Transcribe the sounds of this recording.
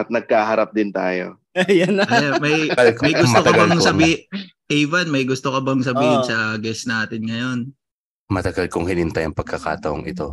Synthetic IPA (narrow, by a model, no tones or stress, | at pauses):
t̪̚nɐɡ̚kaːhɐɾap̚d̪ɪnt̪aːjo̰ | ɐjanɐɐjanmɐjmɐjɡʊmɐot̪ɐɡbɐŋsɐbiːʔɛjvɐnmɐjɡʊst̪okɐbɐŋs̬ɐbiːhɪnsɐɡɛsnaːt̪ɪnŋɐjo̞n | mɐt̪ɐɡɐlkoŋhɪnɪnt̪ɐjɐŋpɐɡ̚kɐka̰ːt̪ɐʔo̰ŋʔɪt̪o̞